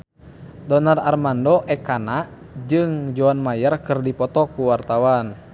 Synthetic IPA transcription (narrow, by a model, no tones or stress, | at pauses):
dɔnararmandɔʔɛkana | d͡ʒɨŋd͡ʒɔanmajərkɨrdipɔt̪ɔkuwart̪awan